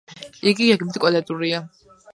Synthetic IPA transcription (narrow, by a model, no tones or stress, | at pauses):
iɡiɡaɡmid̪ikʼalad̪uɾia